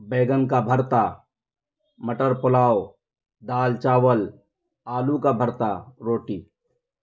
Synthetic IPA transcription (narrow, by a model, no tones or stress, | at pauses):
beːɡənkabʱəɾt̪a | məʈəɾpʊlaːo | d̪aːlt͡ʃaːwəl | aːlukabʱəɾt̪aɾoːʈiː